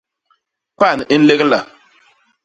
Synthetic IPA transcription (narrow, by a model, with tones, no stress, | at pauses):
pa˦˨n˨i˦n̩˦le˦kla˨